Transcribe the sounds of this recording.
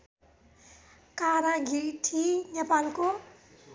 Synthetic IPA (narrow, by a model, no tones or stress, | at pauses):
kaɾãɡʱiʈʰinepalko